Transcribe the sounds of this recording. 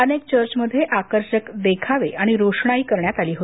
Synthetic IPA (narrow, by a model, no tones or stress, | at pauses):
ənekt͡ɕəɾt͡ɕməd̪ʱːjeʔakəɾɕəkd̪ekʰaʋeʔaɽ̃iɾoʂɳaiːkəɾɳjat̪aliːɦo